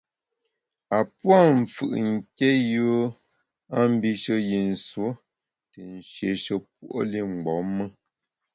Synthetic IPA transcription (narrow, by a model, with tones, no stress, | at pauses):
a˨pwa˦˨ɱ̩˨fɯ̰˨ʔŋ̩˦˨kɛ˦ju˦ | a˦m̩˦bi˦ʃə˦ji˨n̩˨swo˦ | tə˨n˨ʃje˨˦ʃə˨p̚wu˦ʔo̰˦li˦˨ŋ͡m̩˨ɡ͡bɔ˨˦mːə˦